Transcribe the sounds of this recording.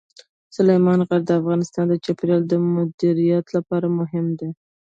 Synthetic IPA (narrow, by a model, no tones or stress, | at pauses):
sʊlejmɑnɣaɾd̪əafɣɑnɪst̪ɑnd̪ət͡ʃɑpɾɑld̪əmʊd̪iɾijɑt̪lapɑɾamʊɦɪmd̪e